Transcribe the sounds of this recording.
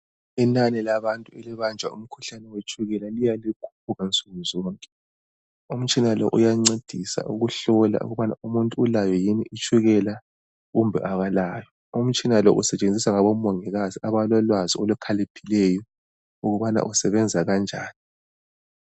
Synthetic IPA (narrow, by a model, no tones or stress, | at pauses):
inanɛlaβantʼuɛliβand͡ʒʱwa̰ṵm̩kʰuɬanɛwet͡ʃʼʰuɣɛlalijalikʰu̥p̚ʰuɣant͡sʼuɣuzɔːŋkʼɛ | um̩t͡ʃʼinalɔ̰ʔujaŋ͡ǀed̥ʱisa̰ʔuɣuɬɔla̰ṵɣuβana̰umuntʼuːlajɔjiniʔit͡ʃʼʰuɣɛla | ɣumbʱɛ̰ʔaɣalaːjɔ | um̩t͡ʃʼinalɔʔusɛt͡ʃʼend͡zʱisaŋaβɔmɔŋɛɣaziaβalɔlwaziɔlukʰalepʰilɛjɔ | uɣuβana̰ʔusɛβɛnd͡zʱaɣand͡ʒʱa̰ːni